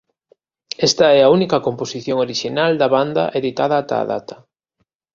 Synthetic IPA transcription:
ɛst̪ɐɛaunikɐkomposiθjoŋoɾiʃinald̪ɐβand̪ɐ̰ʔeðit̪aðɐaat̪a̰ːða̰t̪ɐ̥

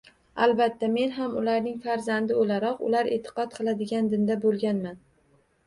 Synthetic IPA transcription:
alˠbat̪ʰːame̞nɦamʊlaɾnɪŋfaɾzand̪ɪolaɾɒqʊ̰laɾeːt̪ʰːɨ̥qɒt̪̚qʰɨlˠad̪ɪɡʲand̪ɪnd̪abolˠɡʲanman

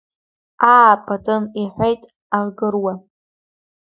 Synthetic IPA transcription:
aːpʼatʼɨniħʷejtʼ | alɡɨrwa

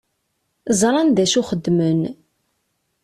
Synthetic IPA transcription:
zˤɾˤɑnðæʃuχəd̪ːmən

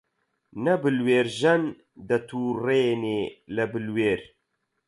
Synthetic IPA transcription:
nɐbɨlweːɾʒɛn | d̪ɐt̪ʰuːreːneːlɐbɨlweːɾ

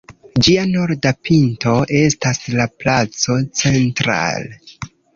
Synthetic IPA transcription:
d͡ʒiano̞ɾdapinto̞ʔe̞staslaplat͡so̞t͡se̞ntɾa̰le

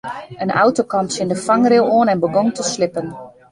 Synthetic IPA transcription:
ənʔa̰wtokɑntsɪndəfaŋrɪwoːnɛnbəɡɔŋtəslɪpən

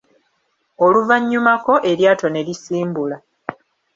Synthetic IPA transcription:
oluvaɲːumako̞ʔe̞ɾjaːto̞ne̞lisiːmbula

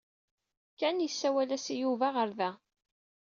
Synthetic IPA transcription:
kænjəsːæwælæsijuvaʁəɾðæ

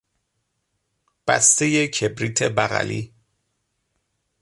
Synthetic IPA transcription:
b̥æ̰st̪ejecʰebɾiːt̪ʰebæɣæ̰lḭː

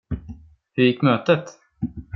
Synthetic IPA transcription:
hɵɾjɪkːmøːt̪ət̪

